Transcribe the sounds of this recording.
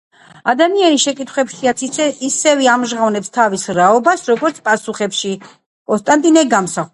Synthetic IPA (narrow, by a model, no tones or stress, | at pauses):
ad̪amianiʃɛkʼit̪ʰχwɛpʃiat̪sʰisɛvɛamʒʁavnɛpst̪ʰavisɾaɔbasɾɔɡɔɾt̪sʰpʼasuχɛpʃi | kʼɔnst̪ʼant̪ʼinɛɡamsa